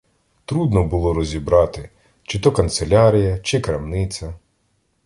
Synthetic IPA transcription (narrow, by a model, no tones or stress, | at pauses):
t̪ɾud̪nɔbʊlˠɔɾɔzʲibɾɑt̪ɪ | t͡ʃɪt̪ɔkɐnt̪selʲɑɾʲijɐt͡ʃɪkɾɐmnɪtsʲɐ